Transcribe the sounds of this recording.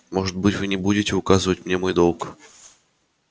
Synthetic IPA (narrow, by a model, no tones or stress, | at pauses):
mo̞ʐɨt̪̚bɨtʲvɨnʲɪbudʲɪtʲɪʊkazɨvətʲmnʲe̞mo̞jd̪o̞lˠk